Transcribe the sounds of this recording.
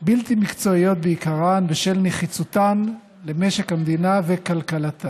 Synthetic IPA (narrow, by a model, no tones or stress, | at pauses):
bilt̪imikt͡so̞io̞t̪̚beikaʁanbeʃelneχit͡sut̪an | lemeʃe̞khamd̪inavekalkalat̪ʰa